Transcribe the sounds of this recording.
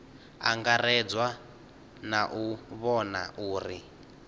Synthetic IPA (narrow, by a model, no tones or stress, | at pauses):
a̰ŋɡarɛd͡zwa | naʔuβɔna̰ʔuːri